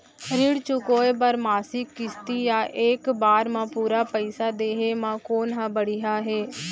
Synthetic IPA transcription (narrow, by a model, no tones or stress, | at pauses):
ɾɪɽt͡ʃʊkoːebəɾmaːsɪkːɪst̪iːjaːʔeːkbaːɾmãːpuːɾaːpəisaːd̪eːɦeːmãːkoːnɦãːbəɽiɦaːɦeː